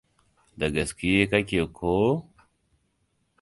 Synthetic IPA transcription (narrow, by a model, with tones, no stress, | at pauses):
d̪ɐ˨ɡɐ˨ski˦je˦ka˦kʲe˨kʰo˦